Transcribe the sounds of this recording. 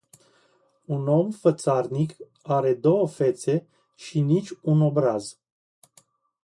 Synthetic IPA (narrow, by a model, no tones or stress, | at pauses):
uno̞mfət̪sarnik | aɾe̞d̪o̞wəfe̞t̪se̞ | ʃinit͡ʃʲuno̞bɾaz